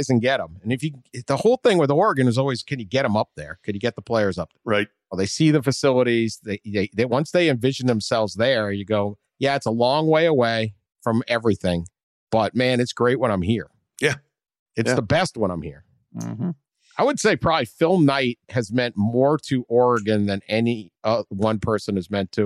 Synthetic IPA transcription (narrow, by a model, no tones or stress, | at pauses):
zɨ̃n̩ɡ̥ɛɾə̃mɨ̃nɨfjɨðəhoʊlˠθɪ̃ŋwɨðiɔɹɨɡɨ̃nɨzɔlˠwiz̥kʰɨ̃njɨɡɛɾə̃mʌp̚ðə̰˞kʰɨ̃njɨɡɛt̪̚ðəpʰl̥eɪə˞zʌp̚ɹaɪt̚ˠ | ðeɪsiðɨfɨsɪlˠəɾizðeɪðeɪðɨwʌ̃nsðeɪɨ̃ɱvɪʒɨ̃n̩ðə̃m̩sɛlˠvzðə˞ə˞jɨɡoʊ | jæætsəlɔ̃ŋweɪəweɪ | fɹʌ̃mɛvɹiθɪ̃ŋ | b̥ʌt̚mæ̃nɨtsɡ̥ɹeɪt̚wə̃ɾ̃ãɪ̃mhiɹ | jæ | ɨtsðəbɛst̚wʌ̃ñãɪ̃mhḭɹ̩ | aɪwɨd̥seɪpʰɹ̥ɑbəblifɪlˠmnaɪt̚hɨzmɛ̃nʔmɔɹɾɨʔɔɹɨɡɨ̃nðɨ̃nɛniʌwʌ̃npʰɜ˞sɨ̃nɨzmɛ̃ntʰɨ